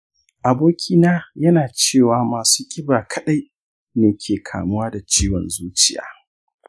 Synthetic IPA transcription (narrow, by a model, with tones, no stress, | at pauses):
ʔa˨boː˦kʲʰiː˦naː˦jɐ˦naː˨t͡ʃeː˦˨waː˨maː˨suː˦kʲʼɪ˦baː˨kʰɐ˨ɗa˦j | neː˨kʲʰeː˨kʰa̰ː˨mʊ˦waː˦da˨t͡ʃiː˦wɔ̰˨nzuː˦t͡ʃɪ˦ja̰ː˨˦